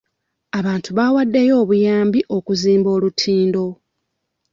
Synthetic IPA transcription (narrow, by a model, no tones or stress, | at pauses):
aβaːntuβawadːe̞jo̞ːβujaːmbiʔo̞kuziːmbo̞ːlutʰiːndo̞